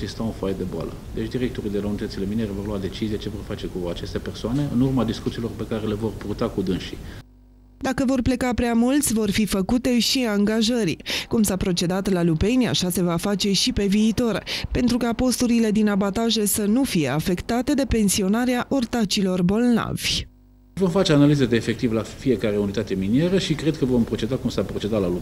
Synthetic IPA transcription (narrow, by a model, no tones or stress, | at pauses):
zist̪aunfajd̪e̞boa̰lə̰d̪e̞t͡ʃd̪iɾek̚t̪oɾid̪elaunit̪ət̪sile̞mineɾevo̞rload̪e̞t͡ʃizijet͡ʃe̞vo̞rfat͡ʃe̞kuat͡ʃe̞st̪e̞pe̞rsoane̞ɨ̰nurmad̪iskut̪siːlo̞rpe̞kaɾe̞le̞vo̞rpurt̪akud̪ɨnʃḭ | d̪akəvo̞rple̞kapɾeamult̪sʲvo̞rfifəkut̪e̞ʃiaŋɡaʒərʲkumsapɾo̞t͡ʃe̞d̪at̪lalupe̞nʲa̰ʃase̞vafat͡ʃe̞ʃipe̞viːt̪o̞rpe̞nt̪ɾukapo̞st̪uɾile̞d̪inabat̪aʒe̞sənufije̞̰afe̞kt̪at̪e̞d̪e̞pe̞nsio̞naɾeaʔo̞rt̪at͡ʃilo̞rbo̞lna̰v̥ʲ | vo̞mfat͡ʃeanalized̪eːfe̞k̚t̪ivlafije̞kaɾeunit̪at̪e̞minjeɾəʃikɾe̞d̪̚kəvo̞mpɾo̞t͡ʃe̞d̪akumsapɾo̞t͡ʃe̞d̪at̪lalu